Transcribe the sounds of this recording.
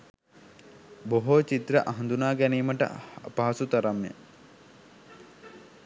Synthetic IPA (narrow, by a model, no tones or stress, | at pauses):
boɦot͡ʃit̪ɾəʔaɦɐnd̪unaːɡæniːməʈə̰apaɦasut̪ɐɾamjə̰